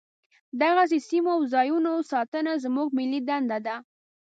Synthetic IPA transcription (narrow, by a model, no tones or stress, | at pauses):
d̪aɣas̬esimoawzɑjunosɑt̪ənazmuɡ̚mɪlid̪and̪ad̪a